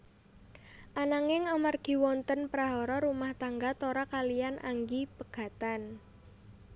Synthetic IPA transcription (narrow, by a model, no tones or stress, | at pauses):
ʔanaŋɪŋamarɡ̥i̤wɔnt̪ənpɾaɦɔɾɔɾumaht̪aŋɡat̪oɾɔkalianʔa̰ŋɡipəɡ̥a̤t̪an